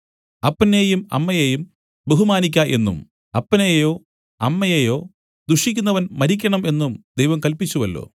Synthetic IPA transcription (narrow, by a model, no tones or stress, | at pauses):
ɐpːɐneːjumɐ̰mːɐjeːjum | beɦumaːnik̬ʲːaʔe̞̰nːṵm | ɐpːɐnejo̞ː | ɐmːɐjeːjo̞ː | d̪uʂikʲːunːɐʋɐnmɐɾikʲːɐɳɐme̞nːumd̪ejʋɐmkɐlpit͡ɕːuʋɐlːo̰ː